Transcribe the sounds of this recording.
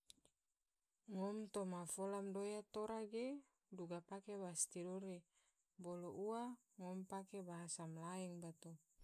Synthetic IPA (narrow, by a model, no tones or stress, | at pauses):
ŋɔmt̪omafolamdojat̪oɾaɡe | duɡapakebast̪idoɾe | boloʔua | ŋɔmpakebaɦasamlaɛŋbat̪o